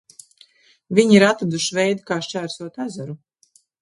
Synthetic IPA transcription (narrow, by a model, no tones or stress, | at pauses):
vʲiɲiɾat̪ɾad̪uʃivɛjd̪kaːʃt͡ʃæːɾsuɔt̪azaɾu